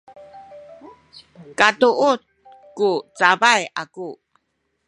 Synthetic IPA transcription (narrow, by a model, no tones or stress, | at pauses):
katuʔut̚ | kut͡sabaja̰ku